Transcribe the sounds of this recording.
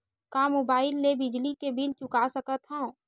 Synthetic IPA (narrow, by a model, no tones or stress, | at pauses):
kamobaːɪlːebɪd͡ʒlikebʱilt͡ʃʊkasəkət̪ɦãõ